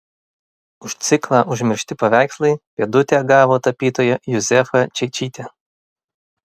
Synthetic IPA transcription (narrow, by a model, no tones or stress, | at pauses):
ʊʃt̪sʲɪklˠɑːʔʊʒʲmʲɪɾʲʃʲt̪ʲɪpɐʋʲæˑɪkslˠɐɪpʲeɛd̪ʊt̪ʲæːɡɑːʋoːt̪ɐpʲiːt̪oːjɛjʊzʲɛfɐt͡ʃʲɛɪt͡ʃʲiːt̪ʲɛ